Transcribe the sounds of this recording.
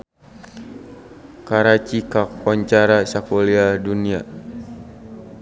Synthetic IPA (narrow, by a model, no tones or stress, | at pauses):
kaɾat͡ʃikak̚pɔɲt͡ʃaɾasakoliadunia